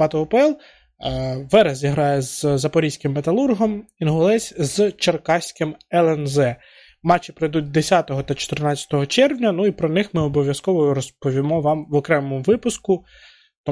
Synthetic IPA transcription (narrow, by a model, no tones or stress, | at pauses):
ɑt̪ɔɔpɛlˠ | ʋɛɾɐzʲiɦɾɑjɛzzɐpɔɾʲijsʲkɪmːet̪ɐlˠurɦɔminɦɔlˠɛsʲzt͡ʃɐrkɑsʲkɪmɛlˠɛnzɛ | mɑt͡ʃːipɾɐjd̪ut̚ʲd̪esʲɑt̪ɔɦɔt̪ɐt͡ʃɔ̥t̪ɪrnɑt͡sʲːɐ̥t̪ɔɦɔt͡ʃɛrʋnʲɐnuipɾɔnɪxmɪɔbɔʋʲjɐskɔʋɔɾɔspɔʋʲimɔʋɑmʋɔkɾɛmɔmʊʋɪpʊskʊ | t̪ɔ